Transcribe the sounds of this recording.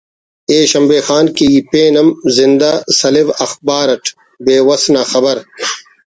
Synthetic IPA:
eːɕɐmbeːxaːnkipeːnɐmzind̪asɐliwɐxbaːɾɐʈʰ | beːwɐsnaːxɐbɐɾ

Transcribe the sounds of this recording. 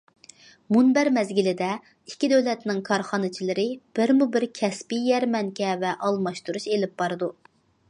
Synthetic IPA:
munbæɾmɛzɡʲilɪd̪ɛ | ikʲːid̪øwlɛt̪nɪŋkʰɑɾχɑnɨt͡ʃʰilɪɾɪb̥ɪɾmubɪɾkʲʰɛspijɛɾmɛŋkʲɛvɛʔɑlˠmɑʃt̪uɾuʃelɪp̚b̥ɑɾɨd̪u

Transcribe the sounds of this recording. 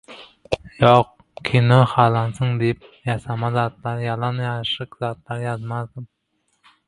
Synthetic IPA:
joq | kʲʰenoχɑːlˠɑnsɨŋd̪ejip̚jɑsɑmɑzɑːt̪lˠɑɾjɑlˠɑnjɑʃɨqzɑːt̪lˠɑɾjɑzmɑzd̪ɪm

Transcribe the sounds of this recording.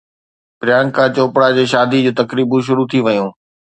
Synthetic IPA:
pɾɪjaːnkãt͡ɕoːpɽad͡ʑeːʃaːd̪ʱid͡ʑuːt̪ɐkɾiːbũʃ̬ʊɾut̪ʰiʋɐjũː

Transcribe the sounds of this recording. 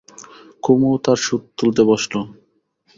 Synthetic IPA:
kumot̪aɾʃud̪t̪ult̪ebɔʃlo

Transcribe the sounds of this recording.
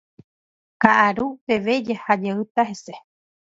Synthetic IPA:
kaʔaɾupe̞ʋe̞d͡ʒahad͡ʒeɨt̪aɦese

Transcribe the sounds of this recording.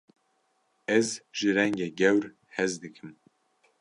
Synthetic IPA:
ɛzʒɨɾɛŋɡeːɡɛwɾ | hɛzd̪ɨkʰɨm

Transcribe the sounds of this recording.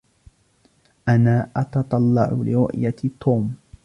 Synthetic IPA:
ʔanaːʔɑt̪ɑt̪ˤɑlːɑ̰ʕʊlɪɾʊ̰ʔjat̪ʰːoːm

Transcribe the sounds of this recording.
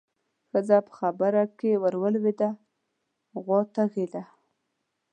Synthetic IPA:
xəzapə̥xabaɾakewaɾwəlwed̪a | ɣwot̪aɣed̪a

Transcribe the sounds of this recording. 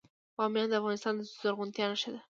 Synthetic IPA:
wɑmjɑnd̪əafɣɑnɪst̪ɑnd̪əsʊzoɾɣʊnt̪jɑnaʃad̪a

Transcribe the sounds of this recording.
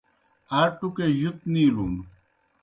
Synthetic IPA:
aːʈukeʑut̪̚niːluːnu

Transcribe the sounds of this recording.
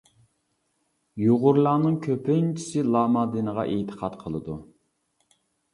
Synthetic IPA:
joʁʊɾlˠɑːnɨŋkʲʰøpʰɪnt͡ʃʰi̥sɪlˠɑːmɑd̪ɨnəʁɑ̰ʔet̪ʰə̥qʰɑt̪qʰəlˠɨd̪u

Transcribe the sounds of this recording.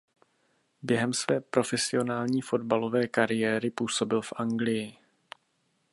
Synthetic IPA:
bjɛɦɛmsvɛːpɾo̞fɛsɪo̞naːlɲiːfo̞dbalo̞vɛːkaɾɪjɛːɾɪpuːso̞bɪlfʔaŋɡlɪjɪ

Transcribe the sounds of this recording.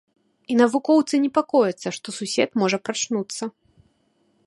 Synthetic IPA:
inɐvukɔwt̪sɨnʲɛpakɔjɐt̪sːɐʂt̪ɔsusʲɛt̪mɔʐɐpɾat͡ʂnut̪sːɐ

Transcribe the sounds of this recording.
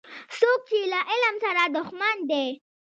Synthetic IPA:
sok̚t͡ʃelaʔɪlmsaɾad̪ʊxmand̪e

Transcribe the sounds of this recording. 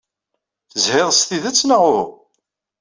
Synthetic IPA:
θəzhɪðˤst̪iðæt͡sːnaʁʊɾ

